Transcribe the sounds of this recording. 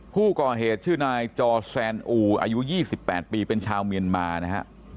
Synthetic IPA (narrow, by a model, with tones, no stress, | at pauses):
kʰuː˥˩kɔː˨˩ɦeː˨˩t̪̚t͡ɕʰɯː˥˩naː˧jt͡ɕɔː˧sɛː˧nʔuː˧ʔa̰ː˧ju˦˥jiː˥˩si˨˩pːɛː˨˩t̪̚piː˧pe˧nt͡ɕʰaː˧wmi˧ənmaː˧na˦˥kʰa̰˦˥ʔ